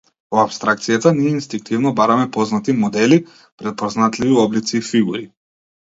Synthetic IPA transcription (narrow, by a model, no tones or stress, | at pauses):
oapst̪ɾak̚t̪sijat̪aniɛinst̪iŋk̚t̪ʰivnɔbaɾamɛpɔznat̪imɔd̪ɛli | pɾɛt̪̚pɔznat̪liviɔblit̪siːfiɡuɾi